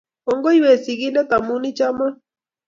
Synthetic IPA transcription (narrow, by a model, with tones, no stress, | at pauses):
o˦ŋɡo˦jwe˨si˨ɣi˦na˦t̪a˨mu˦ni˦t͡ʃa˦ma˦